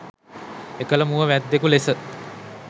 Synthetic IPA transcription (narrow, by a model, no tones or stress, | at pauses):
ekələmuʋəʋæd̪ːekulesə